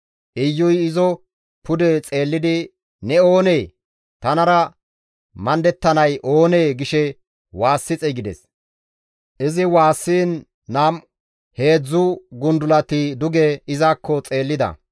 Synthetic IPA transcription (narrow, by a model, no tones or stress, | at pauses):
ʔɪjːʊjɪzɔ | pʊd̪ɛt͡sʼe̞ːlːɪd̪ɪ | nɛo̞ːneː | t̪ɐnɐɾɐ | mɐnd̪ɛt̪ːɐnɐjʔo̞ːneːɡɪʃɛ | waːsːɪt͡sʼɛɡɪd̪ɛ̰s | ʔɪzɪwaːsːiːnː | aːm | he̞ːd͡zːʊɡʊnd̪ʊlɐt̪ɪd̪ʊɡɛɪzaːkʰːɔt͡sʼe̞ːlːɪd̪ɐ̰